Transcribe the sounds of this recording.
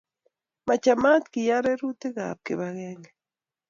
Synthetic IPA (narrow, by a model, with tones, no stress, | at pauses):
ma˨t͡ʃama˦tki˨jaɾe˦ɾu˦te˦ɣa̰˨p̚ke˨βaɣeːŋɡe